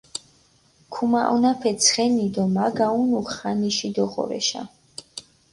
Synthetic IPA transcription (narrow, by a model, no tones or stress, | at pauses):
kʰumaʔɔnapʰɛt̪sʰχɛnid̪ɔmaɡaunuχχaniʃid̪ɔχɔ̰ɾɛ̰ʃa̰